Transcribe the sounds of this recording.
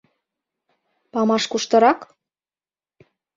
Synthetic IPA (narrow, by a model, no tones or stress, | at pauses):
pɑmɑʃkuʃt̪ɤ̆ɾɑk